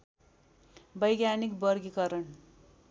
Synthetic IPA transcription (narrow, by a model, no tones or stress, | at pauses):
bʌjɡjanikbʌrɡikʌɾʌn